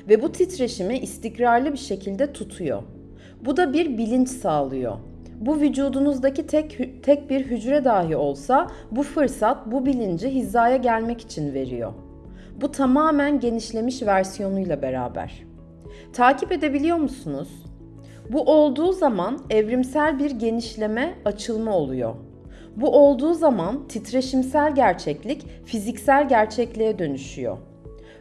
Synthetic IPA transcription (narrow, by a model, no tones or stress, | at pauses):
vɛbut̪ʰit̪ɾeʃimiʔːst̪ʰicɾaɾlˠɯbiɾʃe̞cʰilʲd̪ɛt̪ʰut̪ʰujo̞̰ | bud̪abiɾbilʲint͡ʃsaːlˠɯjo̞̰ | buvyd͡ʒuːd̪unuzd̪acit̪ʰɛt̪ʰɛc̚biɾɦyd͡ʒɾɛd̪aːɦio̞lˠsa | bufɯɾsat̪̚bubilʲind͡ʒiɦizːaːjaɟælʲmɛci̥t͡ʃʰinve̞ɾḭjo̰ | but̪ʰamaːmænɟe̞niʃlʲe̞miʃvæɾsijo̞nujlˠabe̞ɾa̰ːbæ̰ɾ̥ | t̪ʰaːcʰipe̞d̪e̞bilʲijo̞ɾmusunuz̥ | buʔo̞lˠd̪uːzamanɛvɾimsælʲbiɾɟe̞niʃlʲe̞mɛat͡ʃʰɯlˠmao̞lˠujo̞̰ | buʔo̞lˠd̪uːzamant̪ʰit̪ɾe̞ʃimsælʲɟæɾt͡ʃʰɛclʲicfizicsælʲɟæɾt͡ʃʰɛclʲejɛd̪ø̞nyʃyjo̰